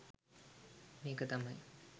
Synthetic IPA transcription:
meːkət̪amɐj

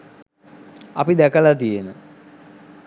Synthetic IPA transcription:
ɐpid̪ækəlat̪ijenə

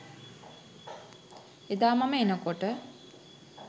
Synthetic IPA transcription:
ed̪aːmaməenəkoʈə

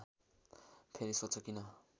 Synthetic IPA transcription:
pʰeɾisot͡sʰʌkinʌ

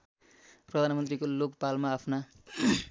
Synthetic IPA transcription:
prʌd̪ʱanmʌnt̪rikolokpalmaːpʰna

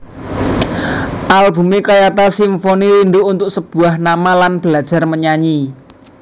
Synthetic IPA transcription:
ʔalbṳmekajat̪asimfoniɾind̪uunt̪ʊksəb̥ṳahnamalanb̥əlad̥ʒ̥a̤rməɲaɲi

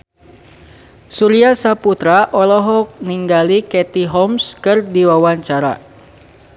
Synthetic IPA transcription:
suɾiasaput̪ɾaʔɔlɔɦɔk̚niŋɡalikɛt̪iɦɔmskɨrdiwawaɲt͡ʃaɾa̰

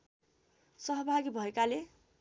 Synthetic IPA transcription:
sʌɦʌbʱaɡibʱʌekale

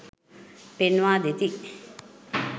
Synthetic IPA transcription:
penʋaːd̪et̪i

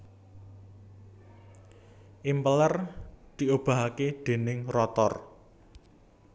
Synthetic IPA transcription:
ʔimpələrd̪̥i̤ʔob̥a̤ɦaked̪̥e̤nɪŋrɔt̪ɔr

